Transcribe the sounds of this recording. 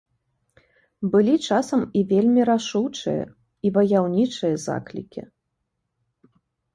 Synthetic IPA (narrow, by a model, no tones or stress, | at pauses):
bɨlʲit͡ʂasɐmivʲelʲmʲiɾaʂuwt͡ʂɨ̰jɐ̰ | ivɐjawnʲit͡ʂɨjɐza̰klʲḭkʲḭ